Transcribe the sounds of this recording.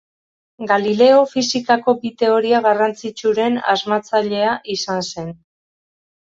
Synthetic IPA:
ɡalile̞o̞fisikako̞bit̪e̞o̞ɾiaɣarant͡sit͡ʃuɾe̞na̰zmat͡saʎe̞aʔisanse̞n

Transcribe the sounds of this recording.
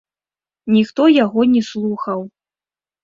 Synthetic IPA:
nʲixt̪ɔjaɣɔnʲɛslˠuxɐw

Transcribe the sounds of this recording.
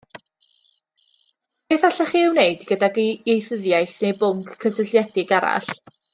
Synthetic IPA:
b̥eːθaɬaχiːɪwneɨdɡədaɡjejθəðjajθnejbʊŋkʰːəsəɬjɛdɪɡaɾa̰ɬ

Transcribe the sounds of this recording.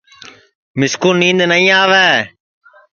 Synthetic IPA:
mɪskuːlnĩːnd̪nəĩːaːʋɛː

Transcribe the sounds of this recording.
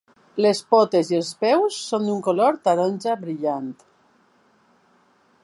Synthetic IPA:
lespɔt̪ezielˠspɛwsːond̪uŋkoloɾt̪aɾɔnʲʒabɾiʎant̪

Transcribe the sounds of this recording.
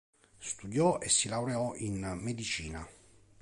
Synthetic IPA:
st̪ud̪jɔesːilawɾeɔʔinmed̪it͡ʃiːna̰

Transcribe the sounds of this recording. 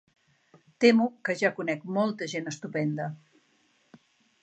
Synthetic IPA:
t̪emukəʒakunɛkmɔlˠt̪əʒenəst̪upɛnd̪ə

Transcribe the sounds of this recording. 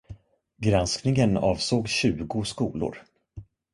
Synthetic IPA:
ɡɾansknɪŋənɑːvsoːɡɕʉ̟ːɡʊskuːlʊ̰ɾ

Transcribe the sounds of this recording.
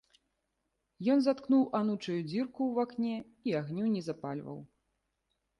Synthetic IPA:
jɔnzat̪knuwʔanut͡ʂɐjud͡zʲirkuwvaknʲɛ | iaɣnʲunʲɛzapalʲvɐ̰w

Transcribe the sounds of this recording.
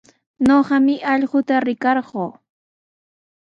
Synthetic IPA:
noɢɑmɪʔɑʎɢʊt̪aɾɪkɑɾɢoː

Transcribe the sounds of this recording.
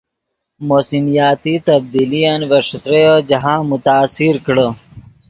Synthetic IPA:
moːsimijaːt̪it̪ɐb̚d̪ilijanʋɐɾʂɐt̪ɾejod͡ʒɐɦãːmʊt̪aːsiɾkɽə

